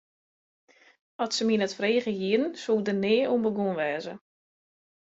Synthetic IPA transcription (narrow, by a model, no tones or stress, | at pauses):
ɔtsəminətfreːɣəjiəɾn̩soldənɪːumbəɡunʋɛːzə